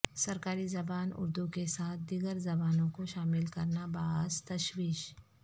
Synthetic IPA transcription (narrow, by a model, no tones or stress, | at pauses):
sɐɾkaːɾizɐbaːnʊ̰ɾd̪ukesaːt̪̚ʰd̪iɡəɾzɐbaːnõkoʃaːmɪlkɐɾnabaːzt̪ɐʃwiːʃ